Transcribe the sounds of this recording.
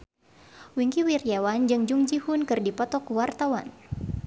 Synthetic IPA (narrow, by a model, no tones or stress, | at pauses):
wiŋkiwirjawand͡ʒɨŋd͡ʒuŋd͡ʒihunkɨrdipɔt̪ɔkuwart̪awan